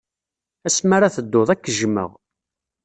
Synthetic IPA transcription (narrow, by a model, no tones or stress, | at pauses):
æsmaɾaθəd̪ːoðˤækːəʒmə̰ʁ